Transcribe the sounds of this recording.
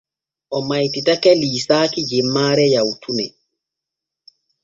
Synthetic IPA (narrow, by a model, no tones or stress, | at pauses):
ʔɔmajtitakɛliːsaːkid͡ʒimːaːɾɛjawtʰunɛ